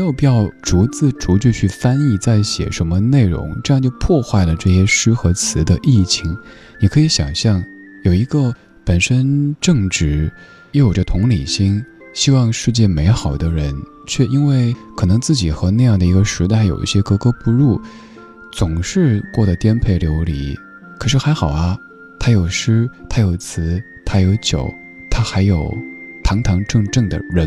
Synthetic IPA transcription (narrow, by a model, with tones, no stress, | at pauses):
m˧˥jo˨˩ʊpi˨˩jɑ˥˩ʊʈ͡ʂu˧˥t͡sɹ̩˥˩ʈ͡ʂu˧˥t͡ɕy˥˧t͡ɕʰy˥˩fa˥ni˥˧t͡sa˥˩ɪɕjɛ̰˨˩ʂə˧˥nmə˧ne˥˩ɪɻʊ̰˧˥ŋʈ͡ʂɤ˥˧jŋt͡ɕjo˥˧ʊpʰwɔ˥˧xwa˥˩ɪlə˩ʈ͡ʂɤ˥˧ɕjɛ˥ʂɻ̩˥xɤ˧˥t͡sʰɹ̩˧˥d̪ə˧ʔi˥˩t͡ɕʰi˧˩ŋ | ni˨˩kʰɤ˧˥i˧˥ɕjɑ˨˩ŋɕjɑ˥˩ŋ | jo˨˩ʊi˧˥ɡə˧ | pə˨˩nʂə˥nʈ͡ʂɤ˥˧ŋʈ͡ʂɻ̩˧˥ | jɛ˧˥jo˨˩ʈ͡ʂə˥˧t̪ʰʊ˧˥ŋli˨˩ɕi˥ŋ | ɕi˥wɑ˥˧ŋʂɻ̩˥˧t͡ɕjɛ˥˩me˧˥ɪxɑ˨˩ʊd̪ə˦ɻə˧˥n | t͡ɕʰɥɛ˥˩i˥nwe˥˩ɪkʰɤ˨˩nɤ˧˥ŋt͡sɹ̩˥˩t͡ɕi˨˩xɤ˧˥na˥˧jɑ˥˩ŋd̪ə˩i˧˥ɡə˧ʂɻ̩˧˥t̪a˥˩ɪjo˨˩ʊḭ˥˩ɕjɛ˥kɤ˥kɤ˥pu˧˥˧lu˥˩ | t͡sʊ˨˩ŋʂɻ̩˥˧kwɔ˥˩d̪ə˩t̪jɛ˥npʰe˥˩ɪljo˧˥ʊlḭ˧˥˦ | kʰɤ˨˩ʂɻ̩˥˩xa˧˥ɪxɑ˨˩ʊɐ˦ | t̪ʰa˥jo˨˩ʊʂɻ̩˥t̪ʰa˥jo˨˩ʊt͡sʰɹ̩˧˥ | t̪ʰa˥jo˧˥ʊt͡ɕjo˨˩˦ʊ | t̪ʰa˥xa˧˥ɪjo˨˩ʊt̪ʰɑ˧˥ŋt̪ʰɑ˧˥ŋʈ͡ʂɤ˥˧ŋʈ͡ʂɤ˥˩ŋd̪ə̰˩ɻə˧˥n